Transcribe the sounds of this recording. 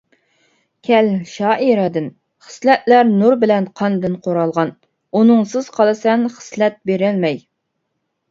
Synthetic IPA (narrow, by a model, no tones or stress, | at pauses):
kʲʰɛlʃɑːʔiɾɛd̪ɪn | χə̥slɛt̪læɾnuɾbɪlɛnqʰɑnd̪ɨnqʰoɾɑlˠʁɑn | unɨŋsɨz̥qʰɑlˠɨsɛnχə̥slɛt̪̚beɾɪlmɛj